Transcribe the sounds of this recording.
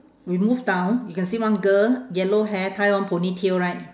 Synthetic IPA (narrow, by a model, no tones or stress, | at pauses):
wimuvdãw̃njukɛ̃nsiwãnɡəjɛloɦɛtʰajwãnpʰonitʰilɹaɪt̚